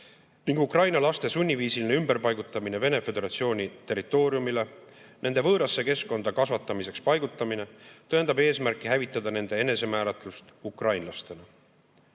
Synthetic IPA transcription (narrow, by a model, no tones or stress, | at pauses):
niŋɡ̥ukrɑjnɑlɑst̪e̞sunʲːiviːsiline̞ymb̥e̞rpɑjɡut̪ːˑɑmine̞ve̞ne̞fe̞d̪e̞ɾɑt̪sio̞ːnʲit̪e̞rːit̪ːˑo̞ːɾjumile̞nʔe̞nd̪e̞vɤːɾɑsːe̞ke̞sko̞nd̪̥ɑkɑsvɑt̪ːˑɑmise̞kspɑjɡ̥ut̪ːˑɑmine̞t̪ɤend̪ɑbe̞ːsmærkːˑiɦævit̪ːˑɑd̪̥ɑne̞nd̪̥e̞e̞ne̞se̞mæːɾɑt̪ˑlust̪ukrɑjnlɑst̪e̞nɑ